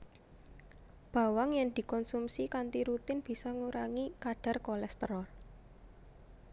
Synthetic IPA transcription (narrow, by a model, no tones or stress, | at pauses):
b̥a̤waŋjɛŋd̪̥i̤kɔnsumsikant̪iɾut̪ɪnb̥i̤sɔŋuɾaŋikaɖ̥a̤rkɔlɛst̪ɾɔ